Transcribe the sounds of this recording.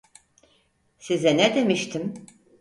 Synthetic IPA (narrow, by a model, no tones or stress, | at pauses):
sizɛnɛd̪e̞miʃt̪ʰim